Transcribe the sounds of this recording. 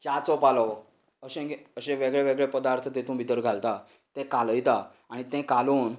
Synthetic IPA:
t͡ɕat͡sɔpalɔʋ | əɕẽɡeəɕẽʋeɡɭeʋeɡɭepəd̪aɾt̪ʰət̪et̪ũbʱit̪əɾɡʱalt̪a | t̪ɛ̃kaləjt̪aː | ɽ̃it̪ɛ̃kaluːn

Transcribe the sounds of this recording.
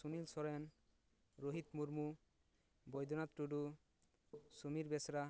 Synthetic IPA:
unilsɔɾen | ɾoɦit̪muɾmu | bɔjd̪ʱɔnat̪ɾuɖu | sumiɾbɛsɾa

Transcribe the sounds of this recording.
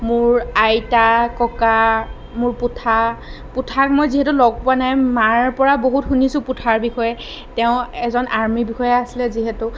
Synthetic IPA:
mʊɹajtakɔka | mʊɹpʊtʰa | pʊtʰakmojziɦɛtulɔɡ̚pʊanajmaɹpɔɹaboɦutxunisʊ̃pʊtʰaɹbixɔjɛ | tɛʊ̃ɛzɔnʔaɹmibixɔjɛasilɛziɦɛtʊ

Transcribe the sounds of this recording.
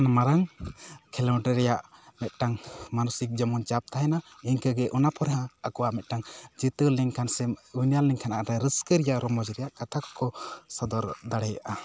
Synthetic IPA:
nmaɾaŋkʰɛlɔwʈɛɾɛjaʔmɛt̪̚ˀʈaŋmanusik̚d͡ʒɔmunt͡ʃap̚t̪aɦɛnaiɲkəɡɛʔɔnapɔɾɛɦãːkɔwaʔmɛt̪̚ˀʈaŋd͡ʒit̪əliŋkʰansɛujnjalːiŋkʰanaʔɾaɾəskəɾɛjaʔɾɔmɔd͡ʒɾɛjaʔkat̪ʰakkɔsad̪ɔɾd̪aɽɛjaʔa

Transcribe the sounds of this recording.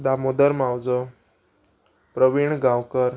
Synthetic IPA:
d̪amod̪əɾmawd͡zɔ | pɾəʋiɳɡãwkəɾ

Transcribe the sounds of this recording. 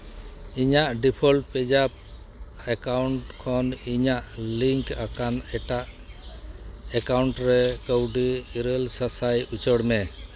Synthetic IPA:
iɲaʔɖipʰɔlpɛd͡ʒap̚ | ɛkawɳʈkʰɔniɲaʔliŋkakanɛʈaʔ | ɛkawɳʈɾɛkəwɖiːɾelsasajut͡ʃɔɽmɛ

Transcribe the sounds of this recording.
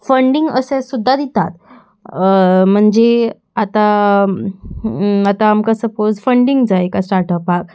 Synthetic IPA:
fəɳɖiŋɡə̰sẽsud̪ʱːad̪it̪at̪ | m̤əɳd͡ze | at̪a | at̪aːmkasəpod͡zfəɳɖiŋɡd͡zaekasʈaɾʈəpak̚

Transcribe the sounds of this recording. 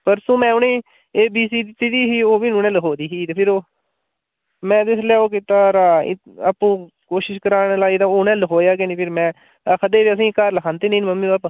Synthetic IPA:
pəɾsõːmɛ̃ːʊnẽː | eːbiːsiːd̪ɪt̪ːiːd̪iːɦiːoːbiːnunɛ̃ːləkʰoːd̪iːɦiːt̪eːpʰɪɾoː | mɛ̃ːd̪ɪslɛːoːkit̪aːɾa̰ː | əpːũː | koːʃɪʃkəɾaːnlaːiːt̪aːʊnɛ̃ːləkʰoːjaːk̬eniːpʰɪɾmɛ̃ː | kʰəd̪eːʋiːəs̬ĩːkəɾləkʰãːnt̪eːnĩːnməmːĩːbaːp

